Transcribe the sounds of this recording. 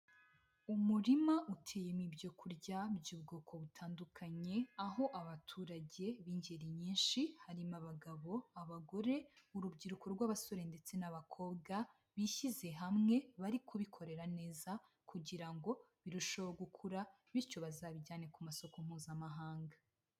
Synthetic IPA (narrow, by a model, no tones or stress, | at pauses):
umuɾimaʔutʰe̞ːjemibjo̞kʰuɾɟabɟuːbɡoːkʰo̞βutʰaːndukʰaɲe̞aɦo̞ʔaβatʰuːɾaɟe̞βiːɲɟeɾiɲiːnʃihaɾimaβaɡaβo̞aβaɡo̞ɾe̞uɾubɡiɾuko̞ɾɡwaːβaso̞ɾe̞nde̞t͡se̞naβakʰo̞ːbɡa | βiçize̞ɦamŋe̞βaɾikʰuβikʰo̞ɾe̞ɾane̞ːza | kʰuɟiɾaŋɡo̞βiɾuʃoβoɡukʰuɾa | βiɾco̞βazaβiɟaːne̞kumaso̞kom̥huːzamaɦaːŋɡa